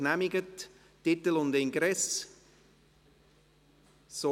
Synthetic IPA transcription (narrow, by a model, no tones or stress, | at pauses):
næmɪɡət | tɪt̪əlʊnd̪ɪŋɡɾɛs | so